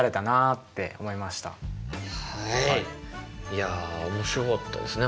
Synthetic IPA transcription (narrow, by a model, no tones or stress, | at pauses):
ɾe̞t̪anat̪ːe̞̰o̞̰mo̞imaɕi̥t̪a̰ha | jaomo̞ɕiɾo̞kɑt̪ːa̰d̪e̞sɨne